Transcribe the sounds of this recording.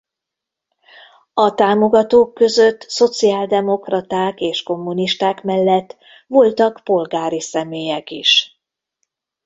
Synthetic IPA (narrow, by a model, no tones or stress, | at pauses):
ɒt̪aːmo̞ɡɒt̪oːkːø̞zøt̪ːso̞t̪siaːld̪ɛmo̞krɒt̪aːkeːʃko̞mːuniʃt̪aːkmɛlːɛt̪ː | ʋo̞lt̪ɒkpo̞lɡaːɾisɛmeːjɛkiʃ